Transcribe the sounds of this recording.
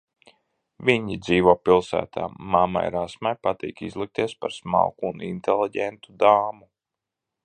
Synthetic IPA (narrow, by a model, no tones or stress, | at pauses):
vʲiɲid̪ziːʋuɔːpilˠsæ̰ːt̪ʰa̰ːama̰jɾasmajpat̪ḭːkizlˠik̚t̪iɛspaɾsma̰wkuːnint̪elˠiɟɛnt̪ud̪aːmu